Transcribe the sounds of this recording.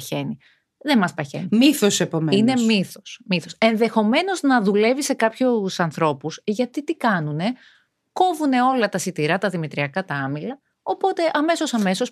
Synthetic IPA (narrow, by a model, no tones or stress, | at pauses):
çe̞ni | ðemɐspɐçḛnimiθose̞po̞meine̞mmiθosmiθo̞se̞nðe̞xo̞me̞no̞znɐðule̞vise̞kɐpçusɐnθɾo̞pusʝɐt̪it̪ikɐnune̞ | ko̞vune̞o̞lɐt̪ɐsit̪iɾɐt̪ɐðimit̪ɾiɐkɐt̪ɐɐmilɐ | o̞po̞t̪e̞ʔɐme̞so̞sɐme̞so̞s